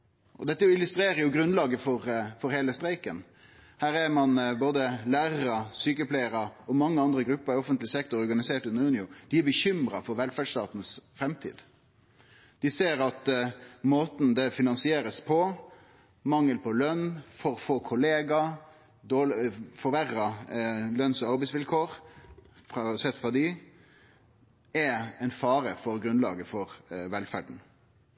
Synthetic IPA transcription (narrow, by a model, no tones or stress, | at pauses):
ʔɔd̪ɛt̪ːəɪlʉst̪ɾeːɾəjʊɡɾʉnlɑːɡəfɔɾfɔɾheːləst̪ɾæɪkən | hæːɾæɾmɑnboːd̪əlæːɾɾɑsyːkəpʰlæɪəɾɑɔmɑŋːəɑnd̪ɾəɡɾʉpːəɾɪɔfənt̪lɪsɛkt̪ɔɾɔɾɡɑnɪseːʈʉnəɾʉnɪʊd̪̥ɪæbəçʏmɾɑ̰fɔɾʋɛlfæɖʂt̪ɑ̰ːt̪n̩sfɾɛmt̪ʰḭːd̪ | d̪̥ɪseːɾɑt̪moːt̪n̩d̪ɛfɪnɑnsɪeːɾəspʰɔ | mɑŋːəlpʰɔlœnːfɔɾfoːkʰʊleːɡɑ | d̪oːlfɔɾʋæɾɑlœnsɔɑɾbɛɪsʋɪlkʰoːɾ | fɾɑɑsɛt̪ːfɾɑd̪ɪ | ɛɛɪnfɑːɾəfɔɾɡɾʉnlɑ̰ːɡəfɔɾʋɛlfæɖn̩